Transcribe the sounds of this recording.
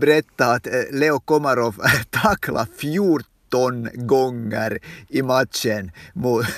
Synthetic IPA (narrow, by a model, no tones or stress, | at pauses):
bɾɛt̪ːɑɑt̪leːɔkɔməɾɑʋt̪ʰɑkʰlʔɑ̰fjuːɾt̪ɔnɡɔŋəɾimɑt̪ʃənmuːt̪